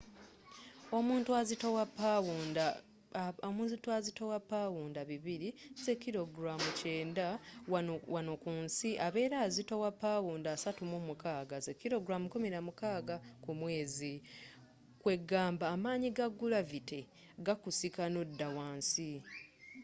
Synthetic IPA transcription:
o̞muːntuazitowapːawunda | omunzituazitowapːaːwuːndaβiβiɾiz̥e̞kːiɾo̞ɡɾamuce̞ːnda | wano̞kuːnsiʔaβe̞ːɾaːzitowapːawuːndaːsatumumukaːɡazekːiɾo̞ɡɾamukumiɾamukaːɡakumwe̞ːzi | kwe̞ɡːaːmbaːmaːɲiɡaɡːulavite | ɡakusikanodːawaːnsi

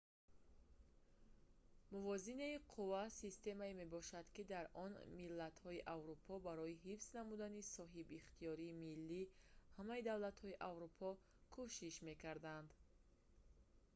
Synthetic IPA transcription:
muvɔzinaiqʰuvasist̪e̞maeme̞bɔʃad̪kid̪aɾʔɔnmilːat̪hɔiʔavɾupʰɔbaɾɔiɦifznamud̪anisɔɦibiχt̪ʰijɔɾiːmilːihamaid̪avlat̪hɔiʔavɾupʰɔ | kʰuʃiʃme̞kaɾd̪and̪

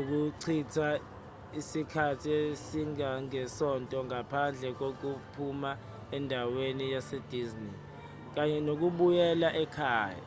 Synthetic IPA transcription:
uk̬uǀʰitʰa | isikʰatʰiesiŋaŋɛsɔntʼɔŋapʰand͡ɮʱɛk̬ok̬upʰuma | ɛndʱawenijased̥ʱizni | k̬aɲɛnok̬uɓujɛlaʔɛkʰaːja̰

